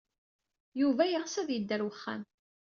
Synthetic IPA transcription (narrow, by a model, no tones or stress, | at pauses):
juvæjʁəsæðjəd̪ːæɾwəχːa̰m